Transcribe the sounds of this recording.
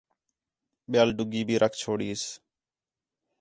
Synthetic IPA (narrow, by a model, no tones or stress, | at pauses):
ɓɪjaːlɖʊɡiːbʱiːɾʔəkʰt͡ʃʰoːɽiːs